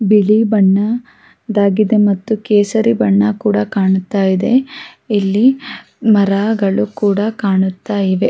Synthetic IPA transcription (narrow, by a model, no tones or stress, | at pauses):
bilibɐɳːɐ | d̪aːɡid̪e̞mɐt̪ːukeːsɐɾibɐɳːɐkuːɽɐkaːɳut̪ːaːjid̪e̞ | ilːi | mɐɾaːɡɐɭukuːɽɐkaːɳut̪ːaːjiʋe̞